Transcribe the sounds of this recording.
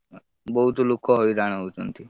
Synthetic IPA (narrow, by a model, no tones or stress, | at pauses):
bɔɦut̪ɔlukʰɔɦoiɾaɽ̃ut͡ʃɔnt̪ʰi